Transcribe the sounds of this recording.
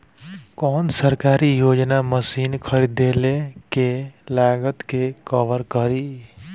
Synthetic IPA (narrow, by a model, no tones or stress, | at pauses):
kɔːnsəɾkaɾijod͡ʒnaməsiːnkʰəɾid̪elekelaɡət̪kekəʋəɾkəɾi